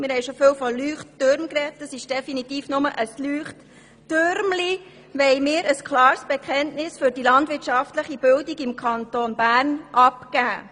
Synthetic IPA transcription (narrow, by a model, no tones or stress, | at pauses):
mɪɾɦɛɪʃofɪwfɔlyːχtːøɾmkrɛtdəsɪʃd̥ɛfinitiːfnʊməʔəslyːχtː | øɾmli | ʋɛɪmɪːɾəskʰlɑːɾsb̥ɛkʰɛntnɪsfʏɾdilɑndʋɪtʃɑftləχibɪldiɡɪmkʰɑntoːnbæːɾnʔɑpkæː